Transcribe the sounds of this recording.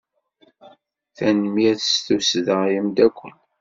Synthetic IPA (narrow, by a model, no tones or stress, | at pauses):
θænmiæθsθusðəʁjimd̪ækʷːən